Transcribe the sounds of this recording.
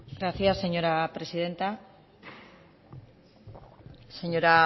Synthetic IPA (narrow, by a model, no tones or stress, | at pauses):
ɡɾaθjasːe̞ɲo̞ɾapɾe̞sið̞e̞nt̪a | se̞ɲoɾa